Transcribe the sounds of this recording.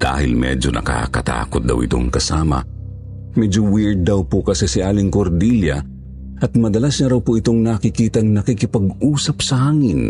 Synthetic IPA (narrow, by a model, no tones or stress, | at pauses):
d̪̥a̰ːhɪ̰lmɛ̰d͡ʒonʔɐ̰ka̰kɐt̪a̰ːkʊt̪̚d̪ɐ̰wɪ̰t̪o̰ŋkɐsaːmɐ̰ | mɛd͡ʒowiɹd̪̚ːɐwpokɐsɛsɪʔaːlɪŋkoɾd̪iljɐ | ʔɐt̪̚mɐd̪ɐlasɲɐɾɐwpoʔɪt̪oŋnɐkɪkiːt̪ɐŋnɐkikɪpɐɡuːsɐp̚sɐhaːŋɪn